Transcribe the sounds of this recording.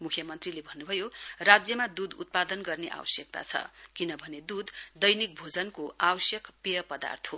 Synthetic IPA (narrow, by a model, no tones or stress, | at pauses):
mukʰjʌmʌnt̪rilebʱʌnːubʱʌjorad͡zjʌmad̪ud̪ṵt̪̚pad̪ʌnɡʌrneʔa̰wʌsjʌk̚t̪a̰t͡sʰʌ̰kinʌbʱʌned̪ud̪d̪ʌjnik̚bʱod͡zʌnkoawʌsjʌkpijʌpʌd̪a̰rt̪ʰɦo